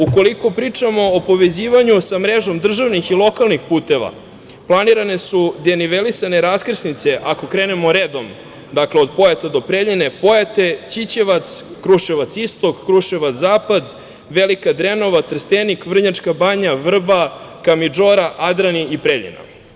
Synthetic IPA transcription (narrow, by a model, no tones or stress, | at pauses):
uko̞liko̞pɾiːt͡ʂamo̞ːpo̞ʋe̞ziːʋaɲusamɾeʒo̞md̪r̩ʒaʋnixilˠo̞kalˠnixpuːt̪e̞ʋa̰ | plˠaniɾane̞sud̪eniʋelisaneɾaskr̩snit̪se̞ʔako̞kɾeːne̞mo̞ɾeːd̪om | d̪akleod̪pojat̪ad̪o̞pɾeʎine̞pojat̪e̞t͡ɕit͡ɕeʋat̪skɾuʃeʋat̪sist̪o̞kːɾuʃeʋat̪zaːpad̪ | ʋelikad̪ɾeno̞ʋat̪r̩st̪enikvr̩ɲat͡ʂkabaɲaʋr̩bakamid͡ʒoɾaʔad̪ɾaniipɾeʎḭna̰